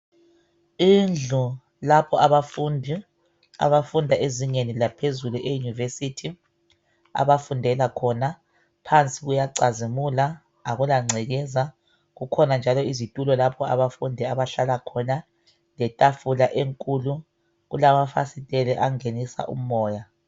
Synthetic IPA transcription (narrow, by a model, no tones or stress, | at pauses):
ind͡ɮʱu | lapʰɔaβafundʱi | a̰βafundʱaʔeziŋenilapʰezuluʔejunivesitʰi | a̰βafundʱɛlakʰɔna | pʰant͡sʼiɣujaǀazimulaː | ɣulaŋ͡ǀʱiɣɛza | ɣukʰɔnand͡ʒʱalɔizitʼulɔlapʰɔa̰βafundʱiaβaɬalakʰɔna | lɛtʼafulaʔeŋkʼulu | ɣulamafa̰sitʼɛlɛʔaŋenisa̰ʔṵm̩mɔːja